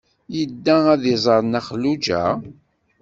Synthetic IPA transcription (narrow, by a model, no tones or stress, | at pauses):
jəd̪ːææðɪzˤəɾˤnæχlud͡ʒæ̰